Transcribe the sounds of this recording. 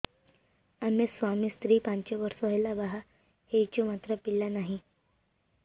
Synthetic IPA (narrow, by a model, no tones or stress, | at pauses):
amesʋamiːst̪ɾiːpãɲt͡ɕeʋəɾsoɦəjlabaɦa | heit͡ɕomat̪ɾəpilːanaɦi